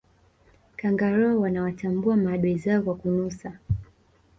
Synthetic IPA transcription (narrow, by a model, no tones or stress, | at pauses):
kaŋɡaɾɔɔwanawatambuamaaɗuizaɔkwakunusa